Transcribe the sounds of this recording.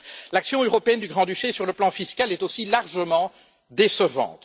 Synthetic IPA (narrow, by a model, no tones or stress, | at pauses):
laksjɔ̃øʁɔpeɛnd̪yɡʁɑ̃d̪yʃesyʁləplɑ̃fiskʲalɛt̪osilaʁʒəmɑ̃ | d̪esəvɑ̰̃t̪